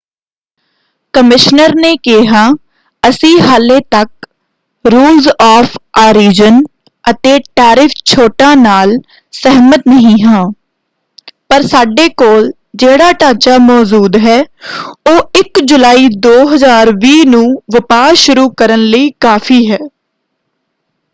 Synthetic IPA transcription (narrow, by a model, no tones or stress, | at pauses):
kəmɪʃnəɾneːkeɦãː | əsĩːɦaːleːt̪ək̚ | ɾuːlzɔːfʰaːɾiːd͡ʒən | ət̪eːʈaːɾɪfʰt͡ʃʰoːʈãːnaːl | sɛɦmət̪nəɦĩːɦãː | pəɾsaːɖeːkoːl | d͡ʒeːɽaːʈaːt͡ʃaːmɔːd͡ʒuːd̪ɦɛːoːɪkd͡ʒʊlaːiːd̪oːɦəzaːɾʋiːnũːʋəpaːʃʊɾuːkəɾənləiːkaːfʰiːɦɛː